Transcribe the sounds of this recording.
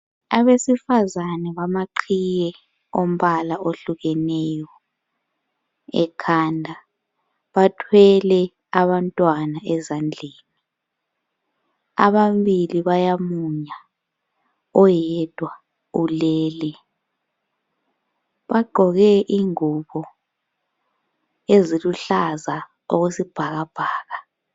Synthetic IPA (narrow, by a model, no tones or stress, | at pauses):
aβesifazanɛβamaǃʰijɛ | om̩ɓalaʔoɬuɣɛnɛjɔ | ɛ̰kʰandʱa | βatʰwɛlɛ | aβantʼwanaɛzand͡ɮʱeːni | a̰βambiliβajamuɲa | ɔjɛd̥ʱwa | ulɛːlɛ | βaɡ͡ǃʱɔɣɛʔiŋuɓɔ | eziluɬaza | oɣesib̥ʱaɣab̥ʱaːɣa